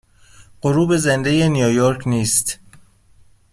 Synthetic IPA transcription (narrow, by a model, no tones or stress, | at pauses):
ɢ̥oɾuːbe̞zend̪ejenijojoɾcʰniːst̪